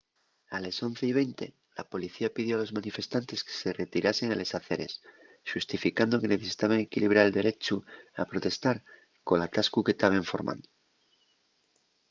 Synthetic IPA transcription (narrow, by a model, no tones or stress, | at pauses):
aleso̞n̟θe̞iβ̞e̞jnt̪e̞ | lapo̞liθiapið̞jo̞alo̞zmanife̞st̪ant̪e̞ske̥se̞re̞t̪iɾase̞ŋele̞saθe̞ɾe̞̰s | ʃust̪ifikand̪o̞ke̞ne̞θe̞si̥t̪aβ̞aŋe̞kiliβ̞ɾaɾeld̪e̞ɾe̞t͡ʃua̰pɾo̞t̪e̞st̪aɾ | ko̞nat̪askuke̞t̪aβeɱfo̞ɾmʔã̰nd̪o